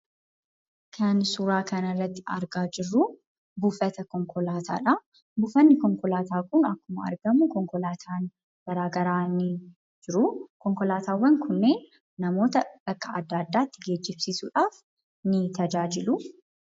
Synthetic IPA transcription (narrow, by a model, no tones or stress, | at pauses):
kʰɐnsʊɾaːkɐnɐrːɐt̪ːɪɐ̰ɾɡaːd͡ʒɪrːu | bufɐt̪ɐkɔŋkɔlaːt̪ʰa̰ːᶑɐ | bufɐnːɪkɔŋkɔlaːt̪aːkʊnɐkːʊmɐɐ̰ɾɡɐmʊkɔŋkɔlaːt̪ʰaːn | b̥ɐɾaːɡɐɾaːnɪ | d͡ʒɪɾʊkɔŋkɔlaːt̪aːwːɐnkʰʊnːeː | nɐmo̞ːt̪ɐb̥ɐkːɐɐd̪ːaːd̪ːaːt̪ːɪɡe̞ːd͡ʒːɪbsiːsuːᶑaːf | nɪt̪ɐd͡ʒaːd͡ʒɪlʊ